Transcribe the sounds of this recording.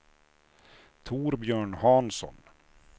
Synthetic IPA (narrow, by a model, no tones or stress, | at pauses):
t̪ʰuːɾbjœːɳhɑːnsɔ̰n